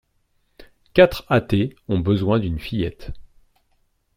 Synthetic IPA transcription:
kʲat̪χat̪eɔ̃bəzwɛ̃d̪ynfijɛt̪

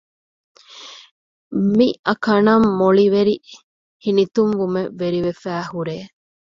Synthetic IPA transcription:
miʔɐkɐnɐmːoɭiʋeɾi | hinit̪umʋumeʋeɾiʋefæːhuɾeː

